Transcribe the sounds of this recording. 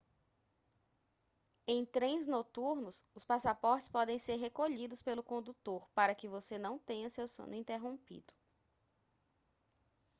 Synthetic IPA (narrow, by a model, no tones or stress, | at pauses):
ẽj̃t̪ɾẽj̃znot̪uɾnʊsʊspasapɔɾt͡ʃɪ̥spɔd̪ẽj̃seɾɦekoʎid̪ʊspelʊkõnd̪ut̪oɾpaɾɐkɪvosenɐ̃w̃t̪ẽɲɐsewsõ̰nʊĩnt̪eɦõpḭd̪ʊ̥